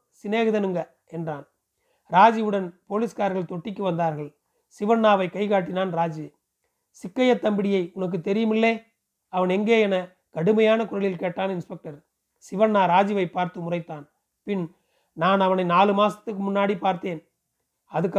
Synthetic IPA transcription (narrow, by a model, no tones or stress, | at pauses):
sɪneːɣɯðɐnɯŋɡɐ | ɛndraːn | ɾaːd͡ʒɪʋɯɽɐnpoːliːskaːɾɣɐɭt̪ɔʈːɪkːɯʋɐnd̪aːɾɣɐɭ | sɪʋɐnːaːʋɐɪkːɐɪkaːʈ̬ːɪnaːnɾaːd͡ʒɯ | sɪkːɐjɐt̪ːɐmbɪɽɪjɐɪʊnɐk̬ːɯt̪ːɛɾɪjɐmɪlːeː | ɐʋɐnɛŋɡeːɛnɐ | kɐɽɯmɐjaːnɐkʊɾɐɭɪlkeːʈːaːnɪnspɛk̚ʈɐɾ | sɪʋɐnːaːɾaːd͡ʒɪʋɐɪpːaːɾt̪ɯmʊrɐɪt̪ːaːn | pɪn | naːnɐʋɐnɐɪnaːlɯmaːsɐ̥t̪ːɯkːɯmʊnːaːɽipaːɾt̪eːn | ɐðɯkː